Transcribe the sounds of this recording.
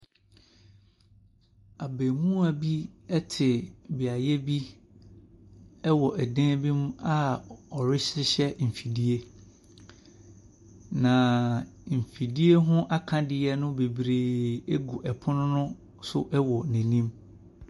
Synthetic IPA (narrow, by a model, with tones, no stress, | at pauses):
a˨be˨mũ˦a˨bi˦ɛ˦tʰɪ˨bɪ˨a˨jɛ˦bi˦ | ɛ˦wɔ˨ʔɛ˨dɛ̃˦bĩ˦m̃˦a˦ɔ˨ɾɪ˦ɕɪ˦ɕɛ˦m̩˨fi˨di˦e˦ | nã˨m̩˨fi˨di˦e˦ɦʊ̃˦ʔa˦kʰã˨dɪ˨ɛ˦nʊ̃˦be˨bɾeː˨e˦ɡu˨ʔɛ˨pʰʊ˦nʊ̃˦nʊ̃˦ | sʊ˦ʔɛ˦wɔ˨nɛ̃˨nĩ˦m